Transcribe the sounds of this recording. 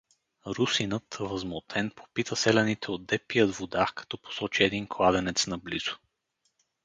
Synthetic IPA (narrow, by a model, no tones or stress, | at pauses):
ɾusinət̪vəzmot̪ʰɛnpʰo̥pit̪ʰəsɛlɛnit̪ʰɛod̪ɛpijəd̪vod̪akɐ̥t̪ɔpo̥sɔt͡ʃiɛd̪inklˠad̪ɛnɛt̪snɐblḭz̥ʊ̥